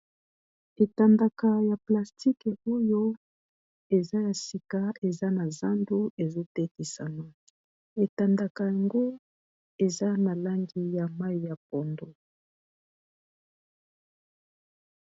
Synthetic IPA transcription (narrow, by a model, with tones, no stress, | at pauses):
e˨ta˨nda˨ka˨ja˨pla˨sti˦kɛ˨o˦jo˦ | e˨za˦ja˨si˨ka˨e˨za˦na˨za˦ndo˦e˨zo˦tɛ˦ki˨sa˨na˨ | e˨ta˨nda˨ka˨ja˨ŋɡo˦ | e˨za˦na˨la˦ŋɡi˦ja˨ma˦i˨ja˨p̚o˨ndo˦